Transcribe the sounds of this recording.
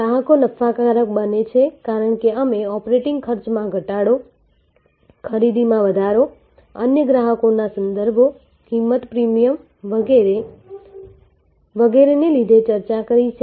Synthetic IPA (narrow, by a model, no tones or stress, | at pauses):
ɡɾaɦəkonəfʰakaɾək̚bənet͡ʃʰekaɾəɳkeəmeɔpɾeʈɪŋɡkʰəɾt͡ʃmãɡʱəʈaɽo | kʰəɾid̪imãʋəd̪ʱaɾo | ə̰njəɡɾaɦəkonasənd̪əɾbʱo | kimːət̪pɾimijəm | ʋəee | ʋəɡeɾenelid̪ʱet͡ʃəɾt͡ʃakəɾit͡ʃʰe